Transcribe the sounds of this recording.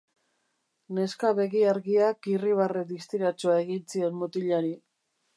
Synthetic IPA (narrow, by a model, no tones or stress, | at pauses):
ne̞skaβe̞ɣiaɾɣiakiriβ̞ared̪ist̪iɾat͡ʃoae̞ɣint͡sie̞nmot̪iʎaɾi